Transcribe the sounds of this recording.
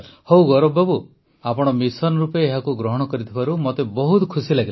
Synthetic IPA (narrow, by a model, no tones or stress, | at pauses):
howɡɔɾɔbːabu | apɔɽ̃ɔmisɔnɔɾupeːɦakuɡɾɔɦɔɽ̃ɔkɔɾit̪ʰibaɾumot̪ebɔɦut̪kʰusilaɡil